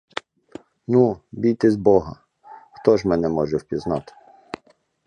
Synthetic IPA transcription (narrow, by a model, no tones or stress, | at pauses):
nubʲijt̪ɪzbɔɦɐ | xt̪ɔʒmɛnɛmɔʒɛwpʲiznɑt̪ɪ̥